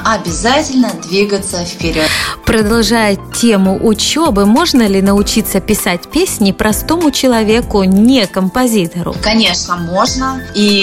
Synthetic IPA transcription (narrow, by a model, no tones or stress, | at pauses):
ɐbʲɪzatʲɪlʲnəd̪vʲiɡət̪səfpʲɪɾʲot̪pɾəd̪ɐlˠʐajʊtʲːemʊʔʊt͡ɕo̞bɨmo̞ʐnəlʲɪnəʊt͡ɕit̪sːəpʲɪsat̚ʲpʲesʲnʲɪpɾʔɐst̪o̞mʊt͡ɕɪlˠɐvʲe̞kʊnʲekəmpɐzʲit̪əɾʊ̰kɐnʲe̞ʂnəmo̞ʐnəi